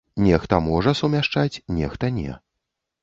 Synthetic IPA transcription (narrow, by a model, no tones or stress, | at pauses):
nʲɛxt̪ɐmɔʐɐsumʲaʂt͡ʂat͡sʲnʲɛxt̪ɐnʲɛ̰